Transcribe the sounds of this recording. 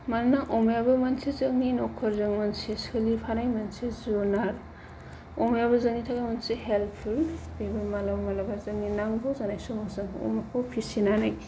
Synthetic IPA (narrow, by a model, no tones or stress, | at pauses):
mannaʔɔmjabɐmɐnsizɯŋninɔkʰːɔɾzɯŋmɐnsisɯlipʰanajmɐnsizunaɾ | omjaβɐzɐŋnitʰaɡamɐnseɦelpʰulbebɐɾmalamalabazɐŋninaŋbozanajsomosɯŋo̰makʰopʰisinanaj